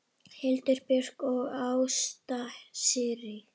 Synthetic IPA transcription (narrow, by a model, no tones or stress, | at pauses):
hɪlt̪ɪɾpʏr̥kɔɣaːwst̪asɪrɪ